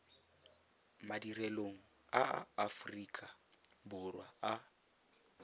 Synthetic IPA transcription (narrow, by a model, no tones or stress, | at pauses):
madirɛloŋ̩ | a̰ːfriːkʼabʊrwaa